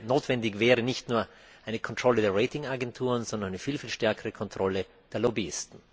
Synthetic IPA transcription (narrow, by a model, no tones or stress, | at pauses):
noːtv̥ɛndɪçvɛːʁənɪçtnuːɐ | ʔaɪnəkʰɔntʁ̥ɔlədeːɐʁeɪtɪŋaɡɛntʰuːʁənzɔndɐnaɪnəfiːlfiːlʃtɛɐkəʁəkʰɔntʁ̥ɔlə | d̥eːɐlɔbiɪstn̩